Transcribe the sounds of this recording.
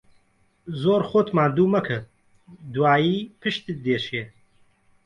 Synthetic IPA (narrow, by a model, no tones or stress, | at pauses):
zoːɾxot̪maːnd̪uːmɐkʰɨ | d̪uwaːjiːpʰɨʃt̪id̪eːʃijɛ